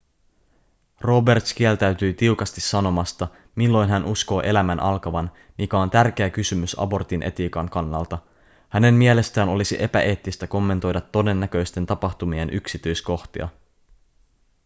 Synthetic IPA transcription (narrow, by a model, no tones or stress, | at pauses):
ro̞be̞rt̪sk̟ielt̪æɥt̪yjt̪iwkɑst̪isːɑno̞mɑst̪ɑ | milːo̞jnɦænʔusko̞ːʔe̞læmænʔɑlkɑʋɑn | mikæo̞nt̪ærk̟e̞ækysymysɑ̰bo̞rt̪inʔe̞̰t̪iːkɑŋkɑnːɑ̰lt̪ɑ | hæne̞mmie̞le̞st̪æːno̞lisiʔe̞pæʔe̞ːt̪ːist̪æko̞mːe̞nt̪o̞jdɑt̪ːo̞de̞nːækø̞jst̪e̞nt̪ɑpɑxt̪umie̞nʔyksit̪yjsko̞xt̪iɑ̰